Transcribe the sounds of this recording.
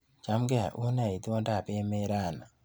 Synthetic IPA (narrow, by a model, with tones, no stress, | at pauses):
t͡ʃa˦mɡɛ˦a̰˨ʔu˦na˨i˨t̪o˦nda˦˨pe˦me˦ɾa˦˨na˨